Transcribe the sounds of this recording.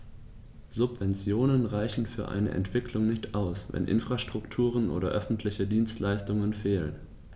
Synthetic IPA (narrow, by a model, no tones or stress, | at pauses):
z̥ʊpv̥ɛnt͡sjoːnənʁaɪçn̩fyːɐʔa̰ɪnə̰ʔɛ̰ntv̥ɪkʰlʊŋnɪçtʔaʊsvɛ̰nʔɪ̰nfʁ̥aʃtʁ̥ʊktʰuːʁ̞ənʔo̰ːdɐ̰ʔœfn̩tʰlɪçədiːnstlaɪstʊŋənfeːlən